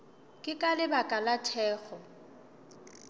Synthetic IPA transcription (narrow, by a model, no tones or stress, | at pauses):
kʼɪkʼalɪbakʼalatʰɛːɣɔ